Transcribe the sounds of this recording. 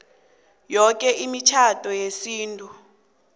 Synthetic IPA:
jɔk̬ʼɛʔimit͡ʃʰatʼɔjesiːntʼu

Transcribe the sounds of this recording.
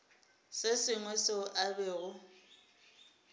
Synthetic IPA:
sɪsɪŋwɛsɪʔabeːɣʊ

